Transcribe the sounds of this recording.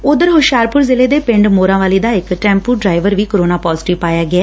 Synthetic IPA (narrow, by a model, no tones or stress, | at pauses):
ʊd̪əɾɦʊʃaːɾpʊɾzɪleːd̪eːpɪ̃ɳɖmoːɾãːʋaːliːd̪aːɪkʈɛ̃ːmpuːɖɾaːɪʋəɾʋiːkəɾoːnaːpɔːzʈiʋpaːjaːɡɪaː